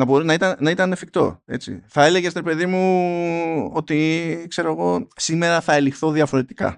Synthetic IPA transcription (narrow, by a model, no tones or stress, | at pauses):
nɐbo̞ɾinɐit̪ɐnnɐit̪ɐnefik̚t̪o̞̰e̞t͡sḭθɐe̞le̞ʝest̪iɾepe̞ðimu | o̞t̪ikse̞ɾo̞eɣo̞sime̞ɾɐθɐe̞lixθo̞ðiɐfo̞ɾe̞t̪i̥kɐ̰